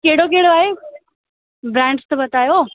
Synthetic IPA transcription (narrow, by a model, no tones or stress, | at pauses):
keɦɽok̬eɦɪɽoaːɦe | bɾɛ̃ːɳɖst̪ɐbɐt̪aːjo